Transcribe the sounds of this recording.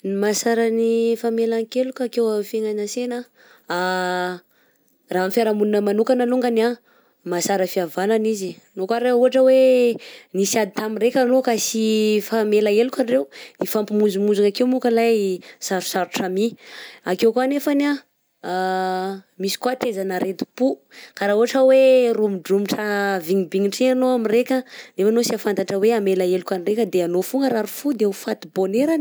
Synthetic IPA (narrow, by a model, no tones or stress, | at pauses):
nimasaɾənifamelaŋkelukʲakewafeŋanasena | a | raɦamfjaɾamununəmanukanaluŋɡana | masaɾəfiavananizi | nokaɾeuɦaʈ͡ʂəwe | nisad̪it̪amiɾekʲanokasifamelaelukʲarewnifampimunzumunzuŋakewmukəlajsaɾu̥saɾuʈ͡ʂamiakewkanefana | misi̥kwat̪ezanəɾet̪u̥pukaɾauɦaʈ͡ʂəwerumiɖ͡ʐumiʈ͡ʂəviɲibiŋiʈ͡ʂianoamirekʲənefanosiafant̪aʈ͡ʂəweamelaelukʲanirekʲəd̪eanofuŋɡəɾaɾufud̪eufat̪iboneɾan